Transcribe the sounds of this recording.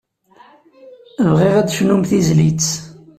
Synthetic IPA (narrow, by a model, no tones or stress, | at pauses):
vʁiʁæd̪ʃnumθizlit͡s